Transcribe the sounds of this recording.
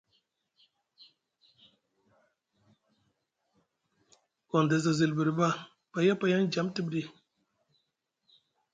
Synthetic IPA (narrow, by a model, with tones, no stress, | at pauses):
kɔ˨nda˨za˨zi˨lbi˨ɾba˦ | pa˨ja˦pa˨ja˦nd͡ʒa˨˦mti˦bɾi˦